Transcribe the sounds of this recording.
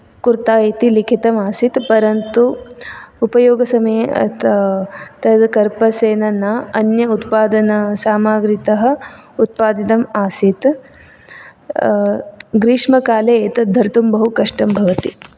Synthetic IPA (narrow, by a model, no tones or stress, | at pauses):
kuɾt̪aːeːt̪ilikʰit̪ɐmaːsit̪pɐɾɐnt̪u | upɐjoːɡɐsɐmɐjɐ̰t̪ | t̪ɐd̪kɐɾpɐseːnɐnɐɐnjɐut̪paːd̪ɐnɐsaːmaːɡɾit̪ɐɦɐ̆ | ut̪̚paːd̪it̪ɐmaːsit̪ | ɡɾiːʂmɐkaːleeːt̪ɐd̪ʱːɐɾt̪umbɐɦukɐʂʈɐmbʱɐʋɐt̪i